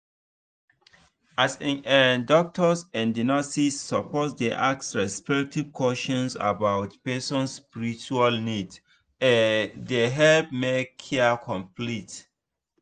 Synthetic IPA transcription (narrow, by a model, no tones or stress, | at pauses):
asĩɛndɔk̚tʰɔsɛ̃ndinastisːəpɔtdeʔak̚sɹɛspɛk̚tivkʰwɔʃɔ̃nsa̰bawtpɛsɔ̃nsspiɹit͡ʃualnid | ɛdeɦɛlpmekʰːɛkʰɔ̃mplit